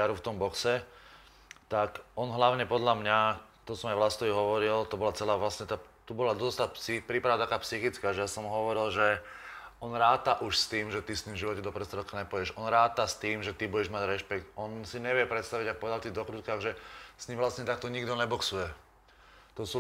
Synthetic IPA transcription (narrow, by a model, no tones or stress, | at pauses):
aɾuft̪ɔmbɔksɛ | t̪akɔnɦlaʊɲɛpɔd̪ʎamɲat̪ɔsɔmajʋlast̪ɔʋiɦɔʋɔɾilt̪ɔbɔlat͡sɛlaːʋlasɲɛt̪aːt̪ubɔlad̪ɔst̪apsipɾipɾaʋat̪akaːpsixit͡skaːʒɛjasɔmɦɔʋɔɾilʒɛ | ɔnɾaːt̪aʔuʃst̪iːmʒɛt̪ist̪imʒiʋɔcɛd̪ɔpɾɛst̪ɾɛkaɲɛpɔjɟɛʃɔnɾaːt̪ast̪iːmʒɛt̪ibuɟɛʒmaɟɾɛʃpɛkt̪ɔnsiɲɛʋɪɛpɾɛt̪st̪aʋiɟak̚pɔʋɛd̪alt̪id̪ɔkɾut̪kaːɣʒɛsɲimʋlasɲɛt̪ak̚t̪ɔɲiɡd̪ɔɲɛbɔksujɛ | t̪ɔsu